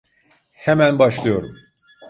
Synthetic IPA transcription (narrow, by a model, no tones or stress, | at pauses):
hemænbaʃlˠɯjo̞ɾum